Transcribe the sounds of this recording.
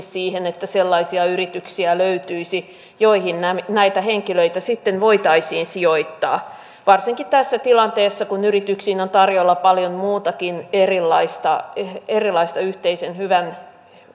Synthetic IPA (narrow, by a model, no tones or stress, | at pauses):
ssiːhenet̪ːæselːɑisiɑyrit̪yksiæløyt̪yisi | joihinnænæit̪æheŋkiløit̪æsit̪ːenʋoit̪ɑisiːnsioit̪ːɑ̰ː | ʋɑrsiŋkit̪æsːæt̪ilɑnt̪eːsːɑkunyrit̪yksiːnont̪ɑrjolːɑpɑljonmuːt̪ɑkinerilːɑist̪ɑeerilɑist̪ɑyht̪eisenhyʋæn